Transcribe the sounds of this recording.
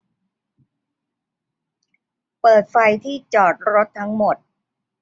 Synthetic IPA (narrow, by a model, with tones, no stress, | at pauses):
pɤː˨˩t̪̚fa˧jt̪ʰiː˥˩t͡ɕɔː˨˩t̪̚ɾo˦˥t̪ʰːa˦˥ŋmo˨˩t̪̚